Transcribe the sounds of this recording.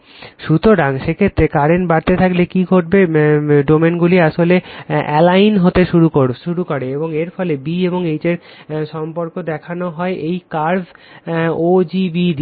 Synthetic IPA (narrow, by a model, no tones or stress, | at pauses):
ʃut̪oɾaŋʃekʰet̪ːɾekaɾenbaɾt̪et̪ʰaklekiɡʱoʈ̚beɖomenɡuliaʃoleɛlajnɦot̪eʃuɾukoʃuɾukoɾeeboŋeɾfɔlebieboŋejd͡ʑeɾʃɔmpoɾkod̪ɛkʰanoɦɔeʔejkaɾz | od͡ʑibid̪